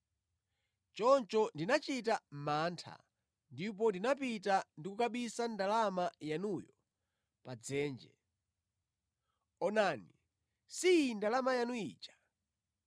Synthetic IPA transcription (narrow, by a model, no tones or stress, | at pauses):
t͡ʃɔnt͡ʃɔndinat͡ʃitam̩maːntʰa̰ | ndip̬ɔndinap̬itandikukaɓisandalamajanujɔ | pad͡zɛːnd͡ʒɛ̰ | ɔnaːni | sindalamajanuḭːt͡ʃḁ